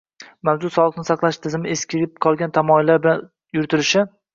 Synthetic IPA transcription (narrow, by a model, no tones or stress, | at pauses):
mawzʊsɒlˠɨqnɪsɑqlˠaʃt̪ʰɪzɪmɪeskʲʰɪɾʲɪp̚qʰɒlˠɡʲant̪ʰamɒɪlːaɾbɪlan | jʊɾt̪ʰɪɾɪʃɪ